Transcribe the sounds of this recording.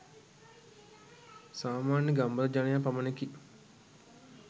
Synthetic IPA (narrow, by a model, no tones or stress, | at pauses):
saːmaːnjəɡambəld͡ʒanɐjapaməneki